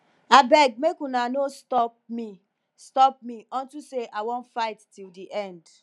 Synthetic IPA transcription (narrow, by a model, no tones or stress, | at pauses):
abɛɡ̚mekũnanostɔp̚mi | stɔp̚mĩɔ̃n̩tuseʔawɔ̃nfaɪtːildiʔɛ̃nd